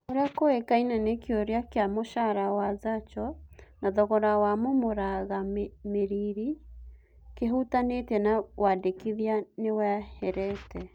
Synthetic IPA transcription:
oɾeakoekainanekjoɾeakeamoʃaɾawazat͡ʃɔnaðɔɣɔɾawamomoɾaɣammeɾiɾi | keɦutanetɛnawadekiðianewɛhɛɾɛtɛ

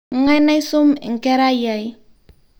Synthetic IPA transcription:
ŋajnajsumɪ̰ŋkɛɾajaj

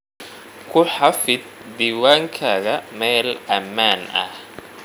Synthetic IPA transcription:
kʰʊħɑfɪd̪̚biwaːŋkʰaːɣɐmɛːlɐmaːnɐ̰h

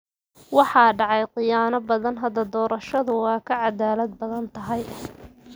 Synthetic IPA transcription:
wɑħɑːɖɑʕɑjqɪjaːnɐbɐðɐnɦɐd̪ɐd̪ɔːɾɐʃɐðʊwɑːkʰɐʕɑd̪aːlɐd̪̚bɐðɐnt̪ʰɐɦɐj

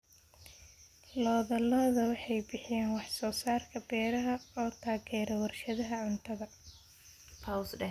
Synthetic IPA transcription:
lɔːðɐlɐðɐwɑħɑjbɪħɪjaːnwɑħsɔːsaːrkʰɐbɛːɾɐɦɐɔːt̪ʰaːɣɛːɾɐwɐrʃɐðɐɦɐʕʊnt̪ʰɐðɐ | pʰɐwsɖɛ

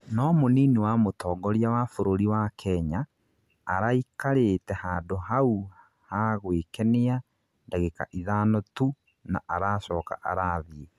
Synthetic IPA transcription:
nɔmoniːnewamotɔːŋɡɔɾjawafoɾoɾiwakʰɛɲaː | ɾaikaɾetɛhaːdoɦau | haɣwekɛnea | ndaɣeka̰ʔiðaːnɔtu | na̰ʔaɾaːsɔːka̰ʔa̰ɾaːðie

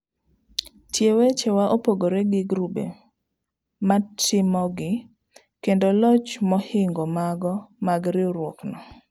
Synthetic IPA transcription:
tjewet͡ʃewaʔopoɡoɾeɡɪɡɾube | matɪmɔɡɪ | kendolɔt͡ʃmɔhɪŋɡomaɡɔmaɡɾɪoɾwoknɔ

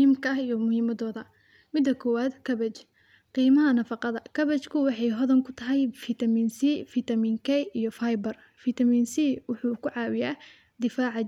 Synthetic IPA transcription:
iːmkʰɐɐɦijɔmʊhiːmɐdɔːðɐ | mɪd̪ɐkʰɔwaːd̪kʰɐbɛt͡ʃ | qiːmɐɦɐnɐfɑqɑðɐkʰɐβɛt͡ʃkʰʊwɑħɑjɦɔðɐŋkʰʊ̥t̪ʰɐɦɛjfit̪ʰɐmiːnsifit̪ʰɐmiːŋkʰɛjijɞfajbɐr | fit̪ʰɐmiːnsiwʊħuːkʰʊʕɑːwɪjaː | d̪ɪfaːʕɑ

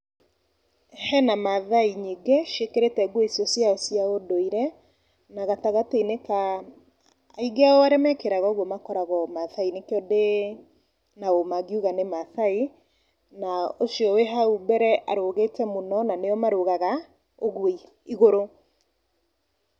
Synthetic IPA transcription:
hɛnamaðaiɲiɡeʃekeɾetɛɡweisiɔsjasjaodoiɾɛ | naɣataɣateineka | iɡeaɔaɾɛmɛkeɾaɣɔɣwɔmakɔɾaɣɔmaθainekeɔde | naomaɣiuɣanemaθai | naosjɔweɦaubɛɾɛʔaɾoɣetɛmonɔnaneɔmaɾoɣaɣa | oɣwi | iɣoɾo

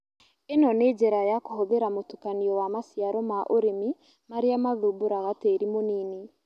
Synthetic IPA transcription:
enɔned͡ʒɛɾajakohoðeɾamotukaniɔwamasjaɾɔmaʔoɾemi | maɾeamaðuboɾaɣateɾimoniːne

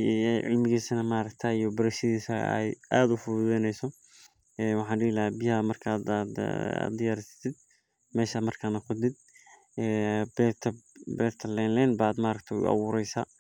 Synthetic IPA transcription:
ʕɪ̰lmɪɣiːsɐnɐmaːɾɐkt̪ʰɐijɔbɐɾɐʃɐðiːsɐ̰ɛ̰jʔaːd̪ʊfʊðɛnɛjsɔ | ɛːwɑħɑ̃ːnɖɪɪlɐɛbɪjɐmɐrkʰaːd̪a̰d̪ɪjaːɾɪsɐ̥t̪ʰɪd̪̚ | mɛːʃamɐrkʰanɐkʰʊd̪ɪd̪̚ | ɛːbt̪ʰɐbɛːrt̪ʰɐlɛnlɛːnbaːd̪maːɾɐkt̪ʰɛʊ̰ɑ̰wʊːɾɛjsaː

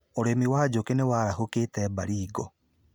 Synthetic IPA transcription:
oɾemiwaːd͡ʒokenewaːɾahokeːtɛːbaɾiːɡɔ

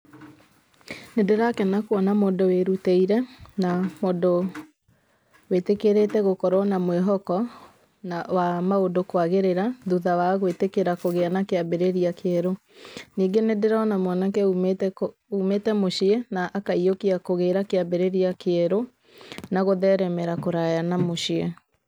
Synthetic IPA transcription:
nedeɾakɛnakwɔnamoːndoweɾutɛiɾɛnamodo | wetekeɾeːtɛɣokɔɾɔnamweɦɔkɔ | nawamaodokwaɣeɾeɾaðuðawaɣwetekeɾakoɣeanakeabeɾeɾiakeɛɾo | niːŋɡenedeɾaɔnamwɔnakɛut | umetɛmoʃiɛnaʔːkaiokiakoɣeːɾakeabeɾeɾiakeɛɾo | naɣoðɛɾɛmɛɾakoɾajanamoʃiɛ

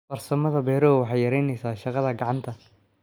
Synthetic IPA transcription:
fɐrsɐmɐðɐbɛːɾɔːwɑħɑjɐɾɛjnɛjsaːʃɑqɑðɐɡɑʕɑnt̪ʰɐ

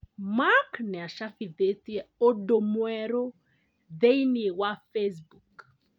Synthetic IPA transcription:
maknɛaʃafiðetiɛodomwɛɾo | ðeiniwafes̬buk

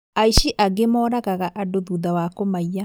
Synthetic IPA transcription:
aiɕiʔaɡemɔːɾaɣaɣaʔadoðuðawakomaia

